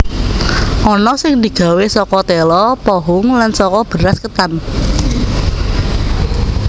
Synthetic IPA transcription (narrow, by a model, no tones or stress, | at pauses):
ʔɔnɔsɪŋd̪i̤ɡ̥ä̤wesɔkɔt̪ɛlɔpɔɦʊŋlansɔkɔb̥ə̤ɾaskət̪an